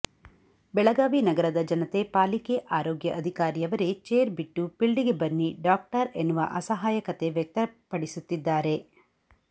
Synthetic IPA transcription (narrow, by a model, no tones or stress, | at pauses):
bɛɭɐɡaːʋinɐɡɐɾɐd̪ɐd͡ʒɐnɐt̪e̞paːlike̞ʔaːɾoːɡjɐʔɐd̪ʱikaːɾijɐʋɐɾe̞t͡ʃeːɾbiʈːupiɭɖiɡe̞bɐnːiɖaːk̚ʈɐɾenːuʋɐ̰ʔɐsɐɦaːjɐkɐt̪e̞ʋjɐk̚t̪ɐpɐɽisut̪ːid̪ːaːɾe̞